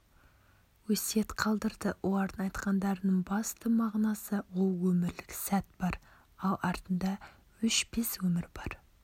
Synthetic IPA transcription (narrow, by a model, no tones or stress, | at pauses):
wɵse̞t̪qʰɑlˠd̪əɾd̪əwʔolˠɑɾd̪ənɑjt̪qɑnd̪ɑɾənəɴbɑst̪əmɑʁnɑsəwolˠwɵmɪɾlɪksæt̪b̥ɑɾ | ɑlˠɑɾt̪ənd̪ɑ | ʏʃbeswɵmɪɾbɑɾ